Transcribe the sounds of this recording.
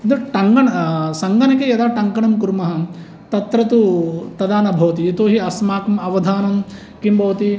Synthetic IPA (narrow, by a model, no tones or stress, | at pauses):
d̪ɐʈɐŋɡɐɳɐsɐŋɡɐnɐkejɐd̪aːʈɐŋkɐɳɐmkuɾmɐɦɐ̆ | t̪ɐt̪ɾɐt̪ut̪ɐd̪aːnɐbʱɐʋɐt̪̬it̪oːɦiɐsmaːkɐmɐʋɐd̪ʱaːnɐm | kimbɐʋɐt̪i